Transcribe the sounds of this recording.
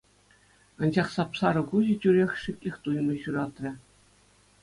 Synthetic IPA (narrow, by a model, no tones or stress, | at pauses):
ɑnʑɑχsɑpsɑɾɤ̆kuʑɘ̆t͡ɕʲyɾʲexʲʂikʲlʲexʲt̪ujmɤ̆ɕuɾɑt̪rʲɘ̆